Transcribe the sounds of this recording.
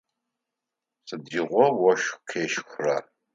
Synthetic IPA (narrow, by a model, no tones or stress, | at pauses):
sɨdiːʁʷɔwɔʃkʰeːʃxra